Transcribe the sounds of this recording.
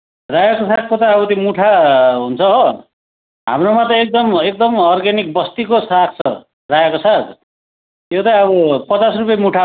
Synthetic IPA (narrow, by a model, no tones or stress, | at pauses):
rajʌkosak̚kot̪aʌbʌt̪imuʈʰaɦunt͡sʰʌ | ɦa̰mromat̪ʌek̚d̪ʌmek̚d̪ʌmʌrɡenik̚bʌst̪ikosakʰt͡sʰʌ | rajʌkosad̪ | jot̪ʌʌβʌpʌt͡sasrupjmuʈʰa